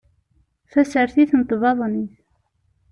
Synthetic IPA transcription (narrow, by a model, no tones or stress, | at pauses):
θæsəɾθiθnət̪vɑðˤniθ